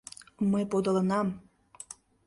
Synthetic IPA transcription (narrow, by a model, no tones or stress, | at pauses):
məjpod̪ə̆lənɑm